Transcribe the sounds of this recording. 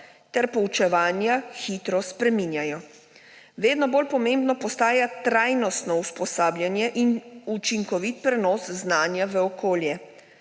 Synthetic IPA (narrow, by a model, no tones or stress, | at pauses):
t̪ɛɾpɔut͡ʃɛʋaːnjaxit̪ɾɔspɾɛmiːnjajɔ | ʋeːd̪nɔboːlpɔmẽmbnɔpɔst̪aːjat̪ɾajnɔst̪nɔuspɔsaːbljanjɛʔinut͡ʃiŋkɔʋit̪̚pɾɛnɔːsznaːnjaʋəɔkoːljɛ